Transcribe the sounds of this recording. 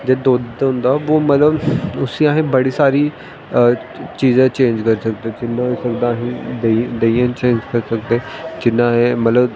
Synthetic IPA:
d͡ʒeːd̪oːd̪d̪ɦʊ̃nd̪aːʋoːmət̪ləbʊsĩãːɦẽːbəɽiːsaːɾiː | t͡ʃiːzãːt͡ʃẽːɲd͡ʒkəɾsəkd̪ẽːd͡ʒɪnːãːɦoiːsəkd̪aːɦĩd̪ed̪eːiãːt͡ʃẽːɲd͡ʒkəɾsəkd̪eẽːd͡ʒɪnːãːɦẽmət̪ləb

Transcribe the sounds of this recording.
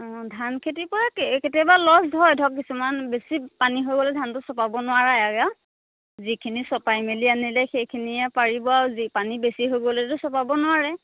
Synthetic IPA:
dʱankʰetipɔɹakketɛbalɔsdʱɔjdʱɔkːisumanbesipaniɦojɡɔlɛdʱantʊsɔpabɔnʊaɹajaɡa | zikʰinisɔpajmelianilɛxejkʰiniɛpaɹibɔaɹzipanibesiɦojɡɔlɛtʊsɔpabɔnʊwaɹɛ

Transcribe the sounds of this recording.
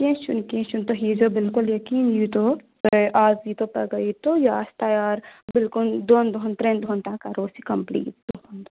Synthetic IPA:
kẽʃunkẽːt͡ʃunt̪oɦiːd͡ʒobɪlkʊljɐkiːnjit̪o | ʔaːzit̪opɐ̰ɡɐit̪ojaːst̪ajaːɾbɪlkʊnd̪oːnd̪ont̪ɾẽnd̪ʱoːnt̪ãːkɐɾoːsikɐmplḭːt̚d̪ond̪

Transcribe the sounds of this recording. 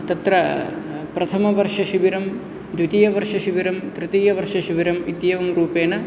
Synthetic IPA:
t̪ɐt̪ɾɐpɾɐt̪ʰɐmɐʋɐɾʂɐʃiʋiɾɐm | d̪ʋit̪ijɐʋɐɾʂɐʃiʋiɾɐmt̪ɾɨt̪ijɐʋɐɾʂɐʃiʋiɾɐmit̪jɐʋɐmɾuːpeːnɐ

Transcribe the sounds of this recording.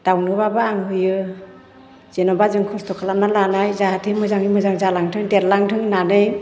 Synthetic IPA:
d̥awnɯbabaːŋɦɯjɯ | z̥enɔbazɯŋkʰɔstʰɔkʰalamnalanajzaɦatʰɯmɯzaŋimɯzaŋzalaŋtʰɯŋdetlaŋtʰɯŋnanɯj

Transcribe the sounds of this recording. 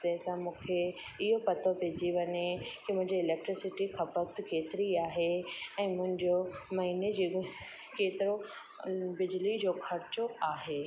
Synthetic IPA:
t̪ɐ̃ɦɪ̃sãmũːkʰe | ɪɦopɐt̪ʰopeːd͡ʑiʋɐɲekimʊ̃ɦɪ̃ɲd͡ʑiːlɛːk̚ʈɾɪsɪʈikʰɐpək̚t̪keːt̪ɪɾiaːɦeɛ̃ːmʊ̃ɦɪ̃ɲd͡ʑomɐɦiːned͡ʑi | keːt̪ɪɾo | bɪd͡ʑɪlid͡ʑoːxʰɐɾt͡ɕoaːɦeː

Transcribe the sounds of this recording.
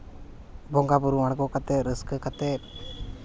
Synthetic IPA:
bɔŋɡabuɾumaɽɡɔkat̪ɛɾəskəkat̪ɛ

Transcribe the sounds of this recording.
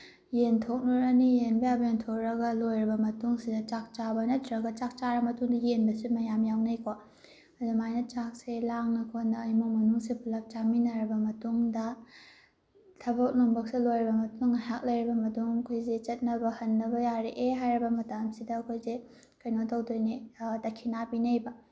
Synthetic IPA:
jentʰok̚nuɾɐnijenbɐjabɐjentʰok̚ɾɐɡɐlojɾɐbɐmɐtuŋsidɐt͡ʃak̚t͡ʃabɐnɐtʰɾɐɡɐt͡ʃak̚t͡ʃaɾɐmɐtuŋdɐjenbɐsimɐjamjawnɐjkʰo | ɐdumajnɐt͡ʃak̚selaŋnɐkʰonːɐːjmoŋmɐnuŋsipʰulɐp̚t͡ʃaminɐɾɐbɐmɐtuŋdɐ | tʰɐbɐk̚loŋbɐk̚slojɾɐbɐmɐtuŋhak̚lɐjɾibɐmɐtuŋɐkʰojzet͡ʃɐt̚nɐbɐhɐnːɐbɐjaɾeʔeɦajɾɐbɐmɐtamsidɐːkʰojze | kɐjnotɐwdojnitɐkʰinapinɐjbɐ

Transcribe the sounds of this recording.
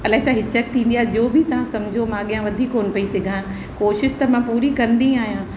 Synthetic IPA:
ɐlaːt͡ɕaɦɪt͡ɕɛk̚t̪ʰĩːn̆d̪ijaːɦd͡ʑoːbʱit̪ɐʋ̤ãsɐ̃md͡ʑʱomãːɠijãʋɐd̪ʱiːkːoːnpɐisɪɡʱãː | koːʃɪʃt̪ɐmãpuːɾikɐɾənd̪ĩaːɦijã

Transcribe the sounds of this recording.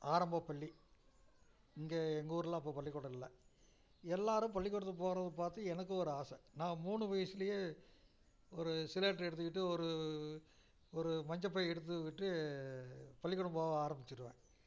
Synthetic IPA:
aːɾɐmbɐpɐɭːi | ɪŋɡeːɛŋɡuːɾɯlãːɪp̬ːoːpɐɭːɪkːɔɽɐɪlːɐ | ɛlːaːɾɯ̃pɐɭːɪkːɔɽɯt̪ːɯp̬oːɣɾɐðɯpaːɾt̪ɯɛnɐk̬ːɯɔɾɯaːsɐnãːmuːɳɯʋɐjɐsɪlɐjeː | ɔɾɯsɪleːʈːɛɽɯt̪̬ːɯkɪʈːɯɔɾɯ | ɔɾɯmɐɲd͡ʒɐpːɐjɛɽɯt̪̬ːɯkːɪʈːɯ | pɐɭːɪkːɔɽɯmbaːʋɐaːɾɐmbɪt͡ʃːɪɾɯʋḛ̃ː

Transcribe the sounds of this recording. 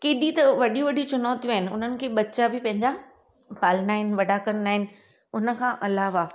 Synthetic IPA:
keːɗit̪ɐʋɐɗijũʋɐɗʱĩt͡ɕʊnɔːt̪ijũaːɦɪnɪ̆ʊ̰nənɪ̆kʰeːɓɐtːt͡ɕabɪpɐ̃ɦɪ̃ɲd͡ʑa | paːlnaːɦɪn̆ʋɐɖʱaːkɐnnaːɦɪnɪ̆ | ʊnə̆kʰãːʔɐlaːʋa

